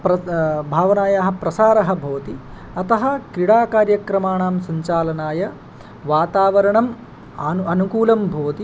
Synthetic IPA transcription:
pɾɐbʱaːʋɐnaːjaːɦɐ̆pɾɐsaːɾɐɦɐ̆bʱɐːɐt̪i | ɐt̪ɐɦɐ̆kɾiɽaːkaːɾjɐkɾɐmaːɳaːmsɐɲt͡ʃaːlɐnaːjɐ | ʋaːt̪aːʋɐɾɐɳɐm | ɐnɐnukuːlɐmbʱɐːɐt̪i

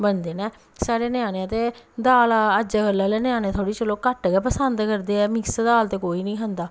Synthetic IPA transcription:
bənd̪eːnɛ̃ː | saːɽeːnɪjãːneãt̪eːd̪aːlaəd͡ʒəəlɛːlɛːnɪjãːnẽːt̪ʰoːɽiːt͡ʃəloːkəʈɡɛːpəsənd̪kəɾd̪eːɛːmɪksd̪aːlt̪eːkoːiːnĩːɦənd̪aː

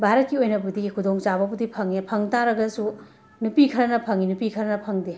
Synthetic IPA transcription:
bʱaɾɐt̚kiojnɐbudiɡikʰudoŋt͡ʃabɐbudipʰɐŋepʰɐŋtaɾɐɡɐsu | nupikʰɐɾɐnɐpʰɐŋinupikʰɐɾɐnɐpʰɐŋde

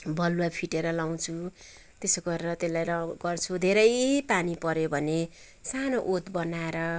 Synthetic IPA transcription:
bʱʌluapʰiʈeɾʌlaw̃t͡sʰu | t̪esoɡʌɾeɾʌt̪elːajɾʌɡʌrt͡sʰud̪ʱeɾʌjeɦipanipʌɾjobʱʌne | sanoʔot̪bʌnaeɾʌ

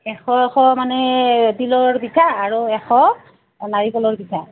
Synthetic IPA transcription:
ɛxɔxɔmanɛbilɔɹbitʰaːɹuɛxɔ | naɹikɔlɔɹbitʰa

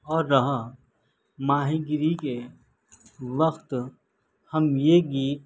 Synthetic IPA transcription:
ɔːɾːɐɦa | maːɦiɡɪɾike | ʋəxt̪ | hɐmjeɡiːt̪

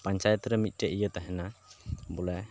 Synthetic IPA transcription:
paɲt͡ʃajət̪ɾɛmit̪̚ˀʈɛʔijət̪aɦɛnabɔlɛ

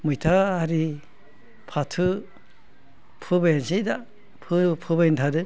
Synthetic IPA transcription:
mɯjtʰahaɾi | pʰatʰɯ | pʰɯbajansijda | pʰɯpʰɯβajntʰadɯ

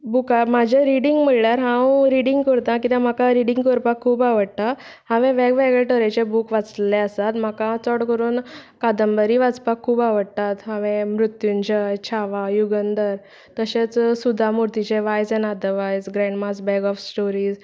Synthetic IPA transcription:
bukamad͡ʑʱaɾiɽiŋɡm̤əɭɭjaɾɦãwɾiɽiŋɡkəɾt̪ãk̬it̪ãm̤akaɾiɽĩŋɡkɔɾpakʰːuːpaʋəɽt̪a | hãʋẽʋeɡʋeɡɭɛʈəɾet͡ɕebukʋat͡sleəsat̪m̤akãt͡sɔɽkəɾuːnkad̪əmbəɾiʋat͡spakʰːuːpaʋəɽt̪at̪ɦãʋẽmɾut̪juɲd͡ʑət͡ɕʰaʋajuɡənd̪əɾ | t̪əɕet͡ssud̪ʱːamuɾt̪it͡ɕeʋajd͡zɛ̃nad̪əʋajd͡zɡɾɛ̃ɳɖmasbɛɡɔfsʈoɾiːd͡z

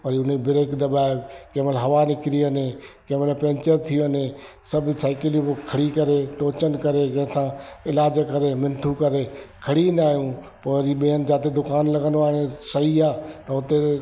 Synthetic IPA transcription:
pɐɾiʊnebɪɾeːkɗ̪ɐbaːekeməlɦɐʋanɪkɪɾiɐnẽkeːʋəlpɛ̃ːɲt͡ɕəɾt̪ʰijuɐnẽ | sɐbʱsaːɪkɪljũpokʰɐɽikɐɾeʈoːt͡ɕənkɐɾekɐ̃ɦɪ̃t̪ʰãːɪlaːd͡ʑkɐɾemɪ̃nʈʰukɐɾekʰɐɽinaːɦjũ | poːɐɾiɓiənɪ̆d͡ʑaːt̪ed̪ʊkaːnlɐɡə̃nd̪oaːɽ̃esɐɦiaːt̪ɐʊt̪e

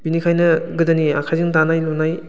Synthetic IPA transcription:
binikʰajnɯɡɯdania̰kʰajzɯŋtanajlɔnaj

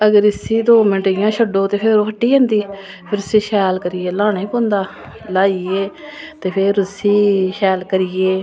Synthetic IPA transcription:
əɡəɾɪsiːd̪oːmɪnʈajãːt͡ʃʰəɖoːt̪eːpʰɪɾokʰəʈːiːẽːnd̪iː | pʰɪɾʊsiːʃɛːlkəɾɪjeːlaːniːpõːnd̪aː | laːieː | t̪eːpʰɪɾʊsiːʃɛːlkəɾɪjeː

